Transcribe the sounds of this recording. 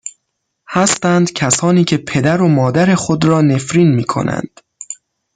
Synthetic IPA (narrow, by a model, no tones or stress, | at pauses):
hæst̪ænd̪cʰæsɒːniːcʰe̞pʰe̞d̪æɾo̞mɒːd̪æɾe̞xod̪ɾɒːne̞fɾiːnmiːkʰo̞̰næ̰nd̪̥